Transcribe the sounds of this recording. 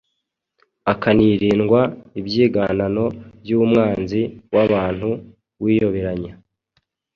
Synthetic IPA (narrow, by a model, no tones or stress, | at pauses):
akaniɾiːnɡwaibjiːɡanano̞bjuːmŋaːnziwʔaβaːn̥hu | wiːjo̞βeɾaɲa